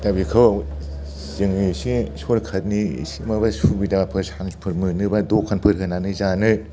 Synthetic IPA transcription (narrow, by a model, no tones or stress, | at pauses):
dabikʰɯw | zɯŋisisolkʰɐt̚nḭsimabasubidaapʰɯɾsanpʰɯɾmɯnɯbadokʰːanpʰɯɾɦɯnanɯzanɯ